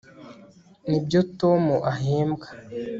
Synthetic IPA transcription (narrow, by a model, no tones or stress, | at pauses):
nibjoto̞muʔaɦeːmɡḁ